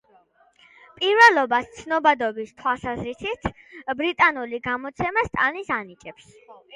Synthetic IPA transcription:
pʼiɾvɛlˠɔbast̪sʰnɔbad̪ɔbist̪ʰwalˠsazɾisit̪ʰ | bɾit̪ʼanuliɡamɔt̪sʰɛmast̪ʼanisanit͡ʃʼɛps

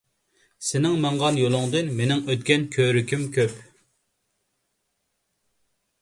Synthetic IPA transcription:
sɪnɪŋmɑɴʁɑnjolˠʊŋd̪ɨnmenɪŋøt̪̚kʲɛnkʲʰøɾykʲimkʲʰøp

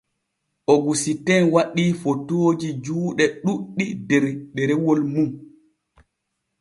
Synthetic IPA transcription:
ʔoɡusitɛnwaɗiːfotoːd͡ʒid͡ʒuːɗɛɗuɗːidɛɾɗɛɾɛwolmum

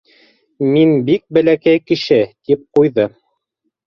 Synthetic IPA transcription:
minbik̚bæ̆lækæjkɘ̆ʃɘt̪ip̚qujðɤ

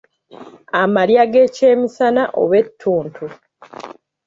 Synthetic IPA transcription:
amaljaɡeceːmisanaʔo̰βe̞tʰːuːntʰu

